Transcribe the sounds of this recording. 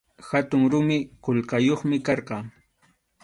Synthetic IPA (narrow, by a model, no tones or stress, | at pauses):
xat̪ʊŋɾʊmɪkoʎqɑjoχmɪkɑɾqɑŋ